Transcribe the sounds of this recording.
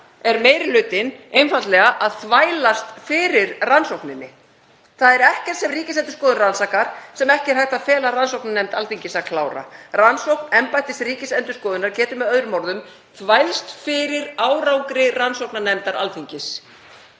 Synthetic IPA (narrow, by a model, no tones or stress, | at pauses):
ɛɾmeːjɾɪlʏːt̪ɪnejnfant̪lɛɣaʔaðθvaːjlast̪fɪɾɪɾransowknɪnːɪ | θaðɛɾɛhcɛɾ̥t̪sɛmriːcɪsɛnt̪ʏ̥ɾskɔːðʏnransaːkaɾ̥sɛmɛhcɪɛɾ̥hajht̪afɛːlaɾransowknanɛmt̪alθiɲcɪsaðkʰlaːwɾa̰ransowknɛmpajt̪ɪst̪riːcɪsɛnt̪ʏskɔːðʏnaɾ̥cʰɛːt̪ʏmɛðœðɾʏmɔɾðʏm | θvajlst̪fɪɾɪɾaːwɾawŋkɾɪransowknanɛmt̪aɾʔa̰lθiɲcɪs